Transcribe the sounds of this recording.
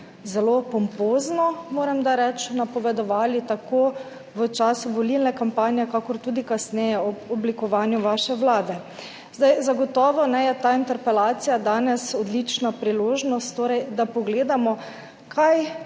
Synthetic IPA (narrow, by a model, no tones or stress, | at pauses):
zɛlopɔmpoːznɔmoːɾɛmd̪aɾɛt͡ʃnapɔʋɛd̪ɔʋaːlit̪ako | ʋət͡ʃaːsuʋɔlilnɛkampaːnjɛkakɔɾt̪uːd̪ikasnɛjɛɔɔblikɔʋaːnjuʋaʃɛʋlaːd̪ɛ | zd̪ajzaɡɔt̪ɔːʋɔnɛjɛt̪aːint̪ɛɾpɛlaːt̪sijad̪aːnɛsɔd̪lit͡ʃnapɾiloːʒnɔst̪ːoːɾɛjd̪apɔɡleːd̪amɔ | kʰaj